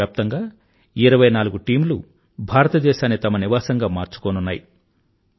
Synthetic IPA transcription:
aːp̚t̪ɐŋɡaː | iɾɐʋɐjnaːluɡuʈiːmlṵ | bʱaːɾɐt̪ɐd̪ɛːʃaːnːit̪ɐmɐniʋaːsɐŋɡaːmaːɾt͡ʃu̥koːnunːaːji

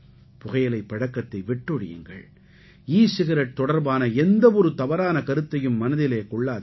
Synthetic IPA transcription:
pʊɣɐjɐlɐɪpːɐɽɐkːɐt̪ːɐɪʋɪʈːɯɽɪ̰jɯ̰ŋɡɐ̰ɭ | iːsɪɣɐɾɐʈ̚t̪ːɔɽɐɾbaːnɐɛnd̪ɐʋɔɾɯt̪ɐʋɐɾaːnɐkɐɾɯt̪ːɐjɯmːɐnɐðɪleːkɔɭːaːð

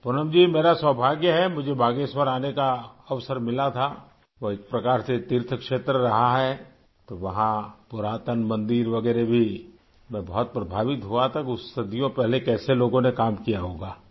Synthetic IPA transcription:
pʊnəmd͡ʒiːmeːɾaswəɦbʱaːɡjəɦɛmʊd͡ʒʱebʱaːɡeswəɾaːnekaɐʋsəɾmɪlat̪ʰa | ʋoɪkpɾɐkaːɾset̪ɪɾt̪ʰəkʃeːt̪ɾəɾɐɦaɦɛ | t̪oʋɐɦãpʊɾaːt̪ənmɐ̃nd̪iːɾʋɐɡɛːɾebʱi | mɛ̃bɐɦɔt̪̚pɾɐbʱaːʋɪt̪ɦuat̪ʰakiʊst̪ɐd̪ijõpɛɦlekɛːseloːɡõnekaːmkijaɦoːɡaː

